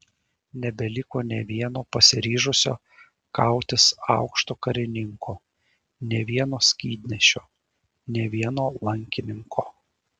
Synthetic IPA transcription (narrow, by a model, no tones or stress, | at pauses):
nʲɛbʲɛlʲɪkoːnʲɛʋʲiɛnoːpɐsʲɪɾʲiːʒʊsʲo̰ː | kɐˑʊt̪ʲɪsɑ̰ˑʊkʃt̪oːkɐɾʲɪnʲɪŋkʰoː | nʲɛʋʲiɛnoːsʲkʲiːd̪ʲnʲɛʃʲoː | nʲɛʋʲiɛnoːlˠɐŋʲkʲɪnʲɪŋkʰoː